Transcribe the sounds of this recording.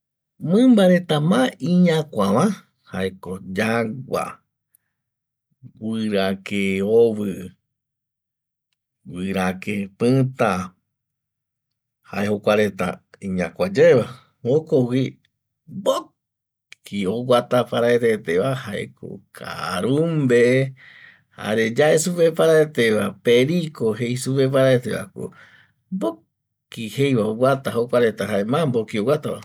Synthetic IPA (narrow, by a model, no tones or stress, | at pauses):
mɨ̃mbaɾet̪amãĩɲãkʷaβã | haekod͡ʒaɡʷa̰ | wɨɾakeoβɨ | wɨɾakepɨt̪a | ha̰ehokʷaɾet̪a̰ĩɲã̰kʷad͡ʒaeβa | okowi | bo | kioɡʷat̪apaɾaeɾet̪eʋahaʔḛkʰo̰kʰa̰ɾumbe | ha̰ɾed͡ʒaʔesupepaɾaet̪eʋapeɾikoɦejsupepaɾaet̪eβa̰ko̰ | mbo | kihejβaowʷat̪aɦokʷaɾe̞t̪aɦaemãmbokiowat̪aβa̰